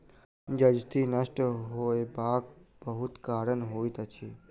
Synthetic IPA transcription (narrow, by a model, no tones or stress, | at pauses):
d͡ʒəd͡ʒt̪ʰinəʃʈɦoːebaːk̚bəɦʊt̪kaːɾənɦoːit̪ət͡ʃʰi